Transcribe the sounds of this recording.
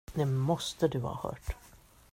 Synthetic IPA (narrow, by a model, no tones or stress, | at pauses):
d̪ɛmɔst̪əd̪ɵvɑ̰ːhœ̰ːʈ